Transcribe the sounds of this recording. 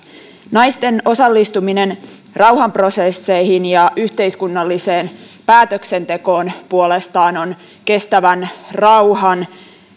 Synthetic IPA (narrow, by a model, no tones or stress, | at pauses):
nɑjst̪e̞no̞sɑlːist̪uminen | rɑwɦɑmpro̞sesːe̞jhinjɑʔyht̪e̞iskunːɑlːise̞ːn | pæːt̪økse̞nt̪e̞ko̞ːnpuole̞st̪ɑːno̞n | ke̞st̪æʋænrɑwhɑn